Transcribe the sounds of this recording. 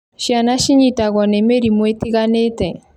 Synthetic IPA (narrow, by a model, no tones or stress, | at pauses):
ʃianaʃiɲitaɣɔnɛmeɾimwetiɣanetɛ